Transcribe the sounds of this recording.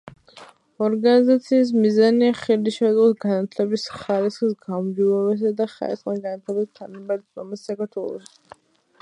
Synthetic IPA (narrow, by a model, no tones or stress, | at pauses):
ɔɾɡanizat̪sʰiːs̬mizaniaχiɾd̪iʃazʼɔsɡanat̪ʰlɛbisχaɾisχsɡamd͡ʒilɛbɛs̬ad̪aχa̰ɾisχmaɡanat̪ʰlɛbist̪ʰanamaɾt̪ma̰masːakaɾt̪ʰwɛlˠɔ̰ʃi̥